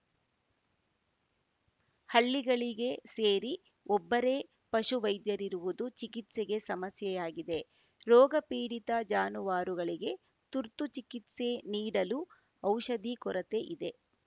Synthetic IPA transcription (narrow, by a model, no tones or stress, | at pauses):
hɐɭːiɡɐɭiɡe̞seːɾi | ɔbːɐɾe̞ː | pɐʃuʋɐjd̪jɐɾiɾuʋud̪ut͡ʃikit̪seɡe̞sɐmɐsjɛjaːɡid̪e̞ | ɾɔːɡɐpiːɽit̪ɐd͡ʒaːnuʋaːɾuɡɐɭiɡe̞ | t̪uɾt̪ut͡ʃikit̪se̞niːɽɐlu | ɐwʃɐd̪ikɔɾɐt̪e̞ʔid̪e̞